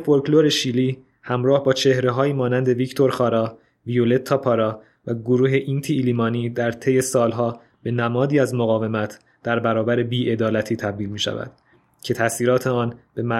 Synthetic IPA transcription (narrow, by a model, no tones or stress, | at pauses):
foɾkloɾe̞ʃiːliː | hæmɾɒːhbɒːt͡ʃʰe̞hɾe̞ɦɒːjiːmɒːnænd̪e̞vict̪ʰo̞ɾxɒːɾɒː | viole̞t̪ʰːɒːpʰɒɾɒː | væɡoɾuːɦe̞ʔint̪ʰiːliːmɒːniːd̪æɾt̪ʰe̞je̞sɒːlɦɒː | b̥e̞næmɒːd̪iːæzmoɣɒːve̞mæt̪ʰ | d̪̥æɾbæɾɒːbæɾebiːʔe̞d̪ɒːlæt̪ʰiːt̪ʰæb̚d̪iːlmiːʃæ̰væ̰d̪̥ | cʰe̞t̪ʰæsiːɾɒːt̪ʰeɒːnb̥e̞mæ